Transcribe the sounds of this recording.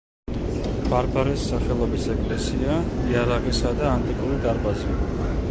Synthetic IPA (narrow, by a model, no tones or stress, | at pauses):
b̥aɾbaɾɛsːaχɛlˠɔbisɛkʼlɛsiaiaɾaʁisad̪aːnt̪ʼikʼuɾid̪aɾbazi